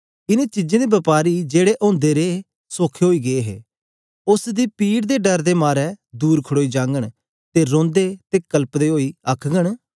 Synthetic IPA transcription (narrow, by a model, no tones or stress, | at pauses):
ɪneːt͡ʃɪd͡ʒẽd̪eːbɐpaːɾid͡ʒeːɽeʔõːnd̪eːɾeː | soːkʰeɦoːiːɡeeɦḛː | ʊsd̪iːpiːɽd̪eːɖəɾd̪eːmaːɾɛːd̪uːɾkʰəɽoːid͡ʒãːŋɡəɽ̃ | t̪eɾõːnd̪eːt̪eːkəlpd̪eːɦoːiːəkʰɡəɽ̃